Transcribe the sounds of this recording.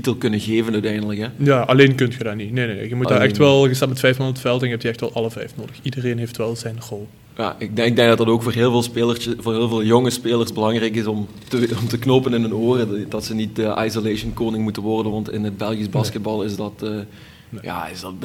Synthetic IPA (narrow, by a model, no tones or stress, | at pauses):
titəlˠkɵnəɣeːvənœɥtɛjndələkɦɛjaːʔɑleːnkɵntxədaːnitnenenḛɣəmutdaːɛxtʋɛlˠɣəsapmətfɛjfmandətfɛlˠtɛnɦɛptiɛxtʋɛlˠɑlˠəvɛjfnoːdəxidərenɦeftʋɛlˠzɛjnrolˠ | ja̰ːʔɪɡ̚ɪɡ̚dɛŋɡdɑtdɑtoːkfoːrɦɪːlˠvɪːlˠspeːlərsvoːrɦeːlˠveːlˠjoŋəspeːlˠərsbəlɑŋrɛjkɪsɔm | təɔmtəknopənɪnɦɵnoːrədɑtsənitəʔa̰jsolejʃənkoːnɪŋmutənʋɔrdənʋɑntɪ̰nəd̚bɛlˠɣisbɑskəd̚bɑlˠɪsdɑtː | ja̰ːɪ̰sdɑt